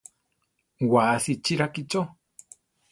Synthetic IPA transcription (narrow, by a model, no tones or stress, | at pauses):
waːθit͡ʃiɾakit͡ʃo